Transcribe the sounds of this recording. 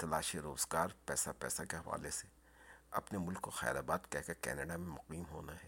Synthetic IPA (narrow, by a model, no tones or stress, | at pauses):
t̪ɐlaːʃiɾoːzɡaːɾpɛːsapɛ̰ːsakeɦɐʋa̰ːlese | ɐ̰pnemʊlkːoxɛ̰ːlaːbaːt̪kɛɦkekɛ̰ːnəɖamẽmʊqiːmɦo̰ːnaɦɛː